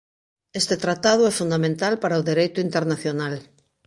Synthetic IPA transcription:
est̪et̪ɾat̪að̞ʊɛfund̪amẽnt̪alpaɾaoðeɾejt̪ʊint̪eɾnaθjonal

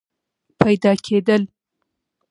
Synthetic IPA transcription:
pʰajd̪ɑkʰed̪əl

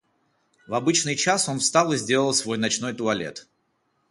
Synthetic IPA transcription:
vɐbɨt͡ɕnɨjt͡ɕaso̞nfst̪alˠɨzʲdʲelˠəlˠsvo̞jnɐt͡ɕno̞jt̪ʊɐlʲe̞̰t̪

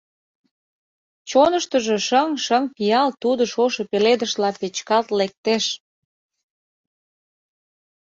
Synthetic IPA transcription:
t͡ɕonəʃt̪əʒeʃəŋʃəŋpijɑlt̪ud̪ŏʃoʃŏpeled̪əʃlɑpet͡ɕkɑlt̪lek̚t̪eʃ

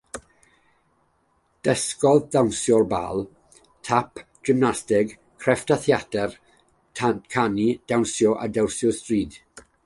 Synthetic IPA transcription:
d̥əskɔðdawnsjɔrba̰ːlˠ | tʰapʰ | d͡ʒ̥ɪmnastɪɡ | kʰrɛftʰaθjadɛrʰ | kʰanid̥awnsjɔʔa̰dɛwsjɔstriːd̥

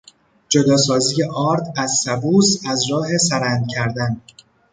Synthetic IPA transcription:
d͡ʒod̪ɒːsɒːziːjeʔɒːɾd̪æzːæbuːsæzɾɒːɦe̞sæɾænd̪̚cʰæɾd̪æn

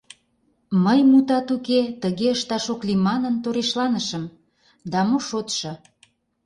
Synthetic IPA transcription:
məjmut̪ɑt̪uket̪əɣeəʃt̪ɑʃoklimɑnənt̪oɾeʃlɑnəʃəm | d̪ɑmoʃot̪ʃɤ̆

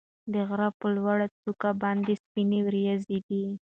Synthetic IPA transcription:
d̪əɣɾapəlwaɽat͡sukabɑnd̪espinewɾjazid̪i

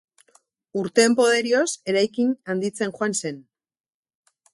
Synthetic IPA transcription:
uɾt̪e̞ːmpo̞ð̞e̞ɾio̞se̞ɾajkinand̪it͡se̞ŋxoanse̞n

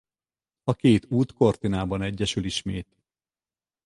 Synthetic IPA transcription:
ɒkeːt̪uːt̪ko̞rt̪inaːbɒnɛɟːɛʃyliʃmeːt̪

